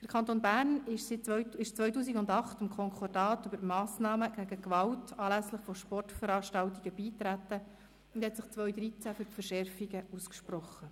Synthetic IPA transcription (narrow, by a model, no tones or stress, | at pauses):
d̥əɾkʰɑnt̪oːnbæːrnɪʃsɪtɪʃt͡sʋœʏtuːsiɡʊndɑχtɪmkʰɔŋkʰɔdɑːtybəɾmɑːsnɑːməɡ̥æɡəkʋɑltɑːlæsləχfɔʃpɔrtfəɾɑːʃtɑltiɡ̥əb̥iːtɾætːə | ʊnd̥̪hɛt̪sɪχt͡sʋœjd̪ɾit͡sæfyɾfərʃɛɾfiɡəuskʃpɾɔχːə